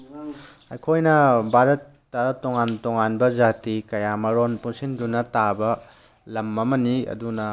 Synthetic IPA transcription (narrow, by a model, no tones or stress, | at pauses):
ɐjkʰojnɐbʱaɾɐtːɐtoŋantoŋanbɐzatikɐjamɐɾonpuŋsindunɐtabɐ | lɐmɐmɐniɐ̰dunɐ